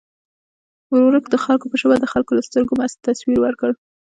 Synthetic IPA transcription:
ɾoɾəkd̪əxalkopəʃəwad̪əxalkolast̪əɾɡomast̪ːaswiɾwəɾkəɽ

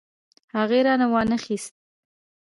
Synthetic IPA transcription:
haɣeɾɑnawɑnəxist̪̚

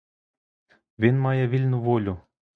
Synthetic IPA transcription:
vʲenmɑjɑvʲilʲnuvolʲu

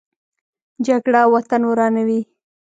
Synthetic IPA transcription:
d͡ʒaɡɽawat̪anwɾɑnawi

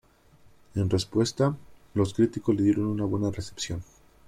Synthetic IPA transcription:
e̞nrespwe̞st̪a | lo̞skɾit̪iko̞zle̞ðje̞ɾo̞nunaβwe̞nare̞sepsjo̞n

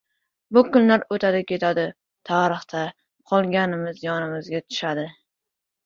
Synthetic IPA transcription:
bʊkʊnlaɾot̪ʰad̪ɪkʲe̞t̪ʰad̪ɪ | t̪ʰaɾɨχt̪ʰa | qʰɒlˠɡʲanɪmɪzjɒnɪmɪzɡʲat̪ʰʊ̥ʃad̪ɪ

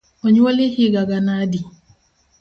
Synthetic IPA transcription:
ɔɲɔlɪhɪɡaɡanadi

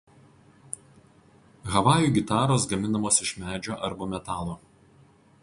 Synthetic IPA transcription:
ɣɐʋɑːjuːɡʲɪt̪ɑːɾoːsɡɐmʲɪnɐmoːsɪʃmʲæːd͡ʒʲoːʔɐɾbomʲɛt̪ɑːlˠoː

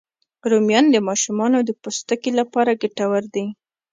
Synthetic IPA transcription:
ɾomjɑnd̪əmɑʃumɑnod̪əpost̪akelapɑɾaɡaʈawaɾd̪i

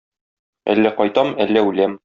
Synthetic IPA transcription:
æ̰lːæqɒjt̪ɑmælːæʉlæm

